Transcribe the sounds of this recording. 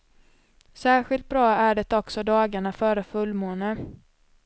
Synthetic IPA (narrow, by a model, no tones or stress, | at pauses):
sæːɾɧɪlt̪̚bɾɑːæɖɛt̪ɔksɔd̪ɑːɡaɳafœːɾəfɵlːmoːnə